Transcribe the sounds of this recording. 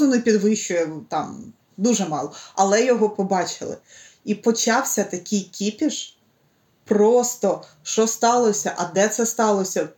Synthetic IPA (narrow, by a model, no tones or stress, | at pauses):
ʊnɪpʲid̪ʋɪʃt͡ʃʊjɛt̪ɑm | d̪uʒɛmɑlˠɔɐlˠɛjɔɦɔpɔbɑt͡ʃɪ̰lˠɪ̰ | ipɔt͡ʃɑwsʲɐt̪ɐkʲʰɪjkʲipʲiʃ | prɔst̪ɔ | ʃɔst̪ɑlˠɔsʲɐʔɐd̪ɛt̪sɛst̪ɑlˠɔsʲɐ